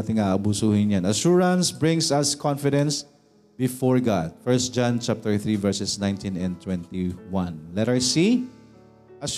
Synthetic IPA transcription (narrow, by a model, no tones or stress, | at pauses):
t̪ɪŋaʔɐbusuːhɪnjanɐʃuɹɐ̃nsbɹɪ̃ŋsɐskʰɔ̃nfɪd̪ɛ̃ns | bɪfɔɹɡad̪̚fɛɹst̪̚d͡ʒãnt͡ʃap̚t̪ɛɹθɹivɛɹsɛsnãjnt̪ĩnɛ̃nt̪wɛ̃nt̪iwãnlɛt̪ajsi | ʔɐ